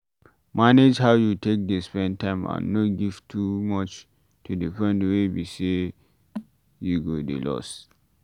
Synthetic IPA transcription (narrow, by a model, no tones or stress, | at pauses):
maned͡ʒhawjutek̚despɛ̃n̚tãɪ̃mã̰nːotɡiv̥tʰumɔt͡ʃ | tʰudifɹɛ̃ndəwebise | juɡodḛlɔ̰s